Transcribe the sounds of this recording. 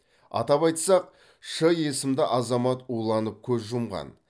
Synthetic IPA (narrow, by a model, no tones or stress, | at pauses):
ɑ̰t̪ɑpɑjt̪sɑq̚ | ʃəje̞sɪmd̪ɪʔɑzɑmɑt̪ulˠɑnəp̚kʲʰɵzʒʊmʁɑ̰n